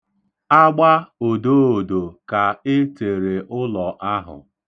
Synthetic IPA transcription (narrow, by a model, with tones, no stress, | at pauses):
a˦ɡ͡ba˦o˨do˦o˨do˨ka˨e˦te˨ɾe˨ʔʊ˦lɔ˨ʔa˦ɦʊ̰˨